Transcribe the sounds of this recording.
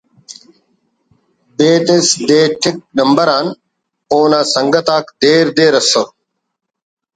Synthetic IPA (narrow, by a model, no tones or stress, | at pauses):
beːt̪esd̪eːʈʰɪk̚nɐmbəɾaːn | oːnãːsɐŋɡɐt̪aːkd̪eːɾd̪eːɾɐso